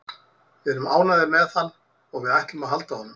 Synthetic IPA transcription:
vɛɛɾʏmaːwnaðɪmɛðθanː | ɔɣvɪðɛhc̪ɪmaðɦalt̪ahɔnːʏm

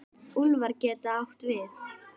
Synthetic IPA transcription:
ulvaɾcɛːt̪aawht̪vɪθ

